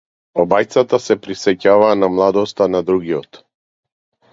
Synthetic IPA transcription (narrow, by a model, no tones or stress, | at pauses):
ɔbajt̪sat̪asɛpɾisɛcavaːnamlˠad̪ɔst̪anad̪ɾuɡijɔt̪